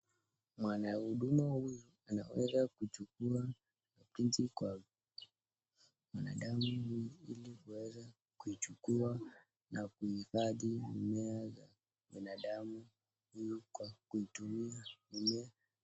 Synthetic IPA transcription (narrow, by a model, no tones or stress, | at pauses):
mwanahuɗumahujuanawɛzakut͡ʃukua | apintikwa | mwanaɗamuhujuilihuwɛza | kuit͡ʃukua | nakuhifaðiumɛaza | ɓinaɗamu | hujukwakuitumiaumɛa